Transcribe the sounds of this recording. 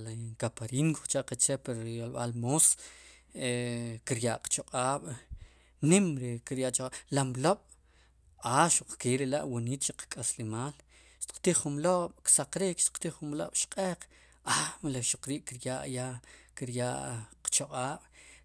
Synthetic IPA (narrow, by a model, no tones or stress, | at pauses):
lkapaɾiŋkot͡ʃaʔqat͡ʃepaɾjolɓa̰lmos | ekiɾjaʔqt͡ʃoqʼaːɓ̥ | nimɾekiɾjaʔt͡ʃoqʼalamloɓ̥ | aʃuq͡χkeːɾela̰ʔwoniːt̪t͡ʃiqkʼaslimaːl | ʃt̪i̥qt̪iχχumloɓ̥ksaqɾikʃt̪i̥qt̪iχumlo̰ɓ̥ʃqʼeːq͡χ | amleʃuq͡χɾiːʔkiɾjaʔjakiɾjaʔqt͡ʃoqʼaːɓ̥